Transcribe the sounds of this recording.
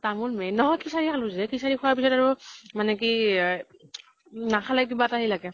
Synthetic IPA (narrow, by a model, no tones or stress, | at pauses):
tamulmɛjnɔɦɔjkʰisaɹikʰaluzɛkʰisaɹikʰɔwaɹpisɔtaɹumanɛki | nakʰalak̬ibataɦilaɡɛ